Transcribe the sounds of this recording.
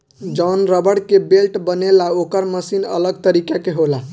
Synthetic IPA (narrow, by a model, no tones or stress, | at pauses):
d͡ʒɔnɾəbəɽkebelʈbənelaokəɾməsinə̰ləɡ̚t̪əɾikakeɦola